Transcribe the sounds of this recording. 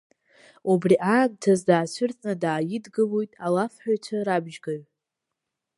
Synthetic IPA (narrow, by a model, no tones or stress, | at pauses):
ubriʔaːɡ̚tʰazdaːt͡ɕʷʰʊrt͡sʼnɨdaːjɪdɡɨlojtʼalafħᶣat͡ʃʷʰaɾabʒɡaɥ